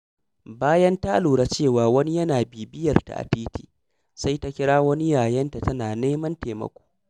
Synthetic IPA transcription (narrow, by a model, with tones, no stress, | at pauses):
baː˦jɐ˦nta˦ʔluː˨ɽaː˦t͡ʃeː˦˨waː˨wɐ˦ni˦jɐ˦naː˨biː˨bɪ˦jɐ˨rta̰˨ʔa̰˨tiː˦tiː˦˨ | sa˦jta˦kʲɪ˦ɽaː˦wɐ˦ni˦jaː˨jɐ˦nta˨tɐ˦naː˨neː˦mɐ˦nteː˨mɐ̰˨kʷo̥ː˦